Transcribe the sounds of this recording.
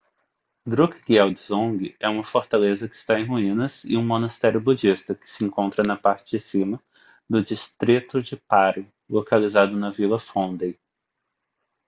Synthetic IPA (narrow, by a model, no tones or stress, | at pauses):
d̪ɾukɡiɛwd͡ʒɪzõɡɪɛũmɐfoɾt̪alezɐkɪ̥st̪aẽj̃ɦuĩnɐzɪ̰ũmõnɐst̪ɛɾjʊbud͡ʒist̪ɐkɪ̥sɪẽŋkõnt̪ɾɐnɐpaɾt͡ʃɪd͡ʒɪsĩmɐ | d̪ʊd͡ʒist̪ɾit̪ʊd͡ʒɪpaɾʊ | lokalizad̪ʊnɐvilɐfõnd̪ej